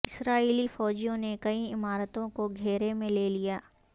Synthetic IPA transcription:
ɪsɾaːiːlifɔːd͡ʒijõnekɐiɪmaːɾət̪õkoɡʱeːɾemẽleːlijaː

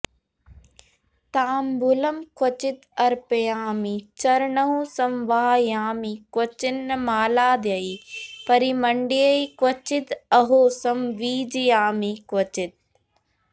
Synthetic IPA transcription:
t̪aːmbʱulɐmkwɐt͡ʃit̪ɐɾpejaːmit͡ʃɐɾɳɐɦũsɐmʋaːjaːmikwɐt͡ʃinːɐmaːlaːd̪jɐipɐɾimɐɳɖiɐikwɐt͡ʃit̪ɐɦoːsɐmʋiːd͡ʒijaːmikwɐt͡ʃit̪̚

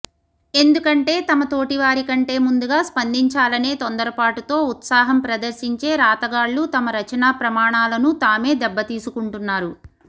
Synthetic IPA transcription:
e̞nd̪ukɐɳʈe̞ːt̪ɐmɐt̪o̞ːʈiʋaːɾikɐɳʈe̞ːmund̪uɡaːspɐnd̪iɲt͡ʃaːlɐneːt̪ond̪ɐɾɐpaːʈut̪o̞ːut̪saːɦɐmpɾɐd̪ɐɾsiɲt͡ʃe̞ːɾaːt̪ɐɡaːɭːut̪ɐmɐɾɐt͡ʃɐnaːpɾɐmaːɳaːlɐnut̪aːme̞ːd̪ɛbːɐt̪iːsukuɳʈunːaːɾu

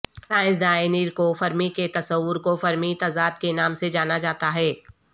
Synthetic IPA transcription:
t̪aːɪzd̪aːɪniːɾkofɐɾmiket̪ɐsəwːʊɾkofɐɾmit̪ɐzaːd̪̚kenaːmsed͡ʒaːnad͡ʒaːt̪aɦɛː

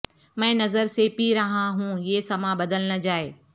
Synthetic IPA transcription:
mɛ̃ːnɐzəɾsepiɾɐɦãɦũːiesɐmãbɐd̪əlnəd͡ʑaːeː

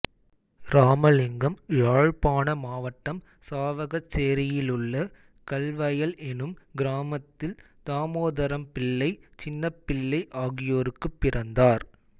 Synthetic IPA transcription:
ɾaːmɐlɪŋɡɐmjaːɻpaːnɐmaːʋɐʈːɐm | saːʋɐɣɐt͡ʃːeːɾɪjɪlɯɭːɐ | kɐlʋɐjɐlɛnɯmɡɪɾaːmɐt̪ːɪl | t̪aːmoːðɐɾɐmpɪlːɐɪt͡ʃɪnːɐpːɪɭːɐɪʔaːɣɪjoːɾɯkːɯpːɪrʔɐnd̪aːɾ

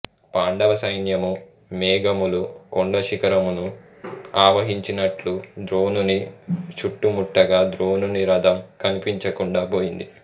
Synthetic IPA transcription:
paːɳɖɐʋɐsɐjnjɐmu | mɛːɡɐmulukoɳɖɐʃikɐɾɐmunu | aːʋɐɦiɲt͡ʃinɐʈlud̪ɾo̞ːnunit͡ʃuʈːumuʈːɐɡaːd̪ɾoːnuniɾɐd̪ɐmkɐnipiɲt͡ʃɐkuɳɖaːboːjind̪i

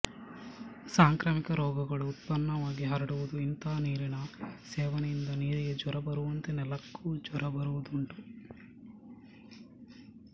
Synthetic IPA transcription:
saːŋkɾɐːmikɐɾɔːɡɐɡɐɭuːt̪̚pɐnːɐʋaːɡiɦɐɾɐɽuʋud̪uint̪ɐɐniːɾinɐsɛːʋɐnjind̪ɐniːɾiɡed͡ʒɔɾɐbɐɾuʋɐnt̪enɛlɐkːuːd͡ʒɔɾɐbɐɾuʋud̪uɳʈu

